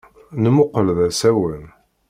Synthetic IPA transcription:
nəmʊqəlðæsæwən

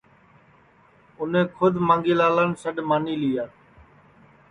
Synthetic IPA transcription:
ʊnẽːkʰʊd̪ʱmãːŋɡiːlaːlaːnsəɗmaːniːliːjaː

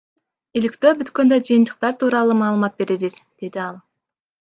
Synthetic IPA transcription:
ilikt̪ø̞ːbyt̪kø̞nd̪ød͡ʒɯjɨnt̪ɯ̥q̚t̪ɑɾt̪ʰuːɾɑlˠumɑːlˠɯmɑt̪̚be̞ɾeβizd̪̥e̞d̪iɑlˠ

